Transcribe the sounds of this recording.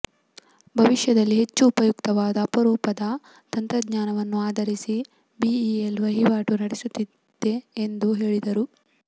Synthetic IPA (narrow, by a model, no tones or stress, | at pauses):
bʱɐʋiʃjɐd̪ɐlːiɦet͡ʃːuːpɐjukt̪ɐʋaːd̪ɐːpɐɾuːpɐd̪ɐ | t̪ɐnt̪ɾɐd̪ɲaːnɐʋɐnːuaːd̪ɐɾisi | biielʋɐɦiʋaːʈunɐɽisut̪ːi | d̪̥e̞ːnd̪uɦe̞ːɭid̪ɐɾu